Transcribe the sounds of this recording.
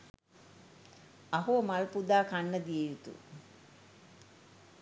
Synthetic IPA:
aɦuəmalpud̪aːkanːəd̪ijejut̪ṵ

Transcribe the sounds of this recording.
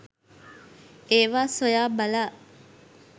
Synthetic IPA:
eːʋaːsojaːbɐlaː

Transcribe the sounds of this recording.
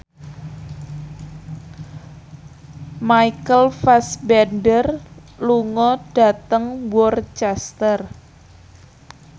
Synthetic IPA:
majkəlfasbɛnɖərluŋɔɖ̥a̤t̪əŋwɔrt͡ʃɛst̪ər

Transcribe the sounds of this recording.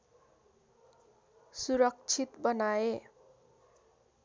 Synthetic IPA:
suɾʌk̚t͡sʰit̪bʌnae

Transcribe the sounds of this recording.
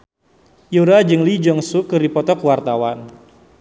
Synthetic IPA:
juɾad͡ʒɨŋlid͡ʒɔŋsukɨripɔt̪ɔkwart̪awan

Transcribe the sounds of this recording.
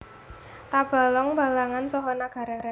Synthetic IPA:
t̪ab̥a̤lɔŋba̤laŋansɔɦɔnaɡ̥a̤ɾaɾa

